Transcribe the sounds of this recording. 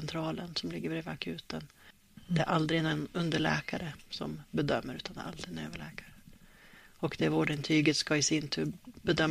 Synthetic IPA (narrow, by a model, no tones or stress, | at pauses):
nt̪ʰɾɑːlənsɔmlɪɡːəbɾeːvakʰʉ̟ːt̪ən | d̪ɛæɾʔald̪ɾɪnɛnɵnd̪əɭɛ̰ːkaɾəsɔ̰mbɛd̪œmːəɾʉt̪and̪ɛ̰ɾa̰ld̪ɾɪɡənø̰ːvəɭɛːkaɾə | ɔkd̪ɛæɾvoːɖɛnt̪ʰyːɡət̪skaɪsɪnt̪ʰʉːbɛd̪œm